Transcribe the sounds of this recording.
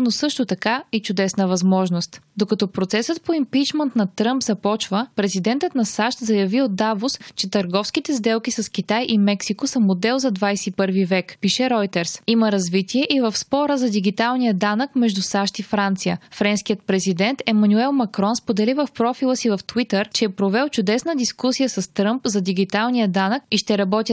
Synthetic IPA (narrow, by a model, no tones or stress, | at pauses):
nosɤʃt̪ot̪ɐkait͡ʃʊd̪ɛsnəvɐzmɔʒnost̪d̪okɐt̪ɔpɾot̪sɛsət̪̚poimpit͡ʃmɛnt̪nɐt̪ɾɤmpzɐpɔt͡ʃvəpɾɛzid̪ɛnt̪ət̪nɐsaʃt̪zɐjɐviod̪avost͡ʃɛt̪əɾɡɔfsk̟it̪ɛzd̪ɛlˠk̟isɐsk̟it̪ajʔimɛksikosəmod̪ɛlˠzɐd̪vajsɛipɤɾvivɛkpiʃɛɾɔjt̪ɛɾsiməɾɐzvit̪iɛʔivəfspɔɾəzɐd̪iɡ̟it̪alˠnijəd̪anəkmɛʒd̪usaʃt̪ifɾant̪sijə̰fɾɛnskijət̪̚pɾɛzid̪ɛnt̪ɛmɐnuɛlˠmɐkɾɔnspod̪ɛlivɐfpɾɔfilˠəsivɐft̪vit̪əɾt͡ʃɛːpɾovɛlˠt͡ʃʊd̪ɛsnəd̪iskusijəsɐst̪ɾɤmpzɐd̪iɡit̪alˠnijəd̪anəkiʃt̪ɛɾɐbɔt̪ʲə